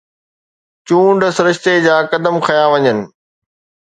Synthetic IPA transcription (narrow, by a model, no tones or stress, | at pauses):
t͡ɕũːɳɖəsɾɪʃt̪ed͡ʑaːkɐd̪əmkʰɐjaʋɐɲənɪ̆